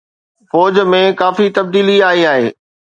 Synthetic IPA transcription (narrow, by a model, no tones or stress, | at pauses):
fɔːd͡ʑmẽkaːfit̪ɐb̚d̪iːliaːɦiaːɦeː